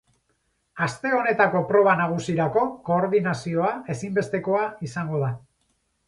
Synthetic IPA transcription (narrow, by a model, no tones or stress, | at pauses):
ast̪e̞o̞ne̞t̪ako̞pɾo̞β̞anaɣ̞usiɾako̞ko̞ːɾðinasio̞ae̞simbe̞st̪e̞ko̞aisaŋɡo̞ða